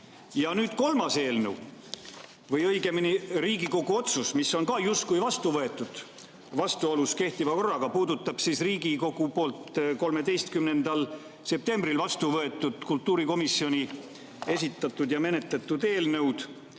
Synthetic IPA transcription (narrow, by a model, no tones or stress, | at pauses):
jɑnyːd̪̥ko̞lmɑse̞ːlnəw | vɤjɤjɡe̞miniriːɡiko̞ɡ̥uo̞t̪susmisːo̞nkɑːjust̪kujvɑst̪uvɤe̞t̪ːˑud̪̥ | vɑst̪uoluske̞ht̪ivɑko̞rːɑɡɑpuːd̪ut̪ːˑɑb̥sisriːɡiko̞ɡ̥upo̞ːlt̪ko̞lme̞d̪e̞jst̪̚kymne̞nd̪̥ɑl | se̞p̚t̪e̞mbrilvɑst̪uvɤe̞t̪ːˑud̪̥kult̪ːˑuːɾiko̞misːio̞ni | e̞sʲit̪ːˑɑt̪ːˑud̪jɑme̞ne̞t̪let̪ːˑud̪e̞ːlnɤwd̪̥